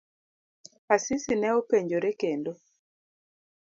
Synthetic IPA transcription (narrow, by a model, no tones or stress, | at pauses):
asisinɛopeɲd͡ʒoɾekendo